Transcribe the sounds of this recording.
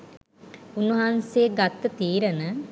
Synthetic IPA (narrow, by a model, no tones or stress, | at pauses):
unːuɦanseːɡat̪ːət̪iːɾənə